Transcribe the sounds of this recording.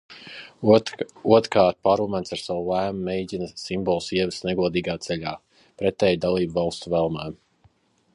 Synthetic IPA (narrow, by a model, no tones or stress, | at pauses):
uɔt̪ɾkaːɾt̪̚paɾumɛnsaɾsawulˠæːmumɛjɟʲinasimbɔlˠsiɛvəsnɛɡuɔd̪iːɡaːt̪sɛʎʲaː | pɾɛt̪ɛːjd̪alˠiːbvɑlˠst̪uvɛlˠmɛː